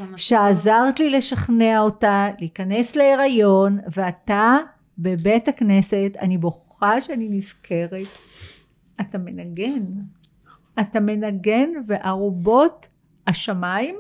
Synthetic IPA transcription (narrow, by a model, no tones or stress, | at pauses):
ʃeazaʁtlile̞ʃaχneao̞taleikane̞sleeʁajo̞nveata | be̞betakne̞se̞ta̰niboχ | aʃeaninizkʰe̞ʁet | atame̞naɡe̞n | atame̞naɡe̞nve̞ʔaʁobo̞t | aʃamaim